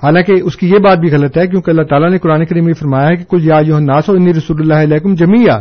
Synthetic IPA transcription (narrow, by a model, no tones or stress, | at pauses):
ɦaːlãːkeʔʊskijebaːt̪̚bʱiɣɐlət̪ɦɛk̬jõːkeɐlːaɦt̪aːlanekʊɾaːnekɐɾiːmjefɐɾmaːjaɦɛke̥kʊljaːjoːɦɐnːaːsɔːɪniɾɐsuːlʊlːaːɦɪlɛːkʊmd͡ʒɐmija̰ː